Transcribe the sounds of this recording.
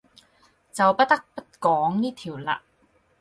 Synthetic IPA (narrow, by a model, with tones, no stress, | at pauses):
t͡sɐ˨wpɐ˥t̚t̪ɐ˥k̚pɐ˥t̚kɔː˨˥ŋniː˥t̪ʰiː˨˩wla̰ː˧